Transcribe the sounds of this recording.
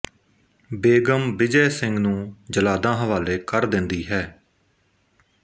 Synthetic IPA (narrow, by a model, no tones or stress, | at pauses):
beːɡəmbɪd͡ʒɛːsɪŋɡnũːd͡ʒəlaːd̪ãːɦəʋaːleːkəɾd̪ɪnd̪iːɦɛː